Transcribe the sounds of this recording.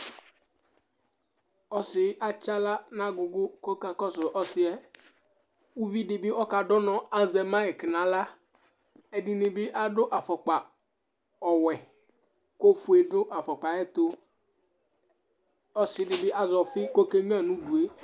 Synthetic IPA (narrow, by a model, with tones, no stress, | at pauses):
ɔ˦sɪ˨˦ʔa˦t͡ʃa˦la˦nã˦ɡʊ˨ɡʊ˦ko˦ka˨kɔ˦sʊ˨ʔɔ˦sɪ˨ɛ˦ | u˦vi˦ɖɪ˨bɪ˦ɔ˦ka˨ɖɔ˦nɔ̃˨a˦zɛ˨mã˦ɛ˨kɪ˨nã˨la˦ | ɛ˨ɖɪ˨nɪ˨bɪ˦ʔa˦ɖʊ˦ʔa˨fɔ˨k͡pa˨ | ɔ˨wɛ˨ | ko˦fu˨e˨ɖʊ˦ʔa˨fɔ˨k͡pa˨ɛ˦t̪o˦ | ɔ˦sɪ˨dɪ˨bɪ˦a˨zɔ˨fɪ˦ko˦ke˦mĩ˦a˨nũ˦ɖu˨e˦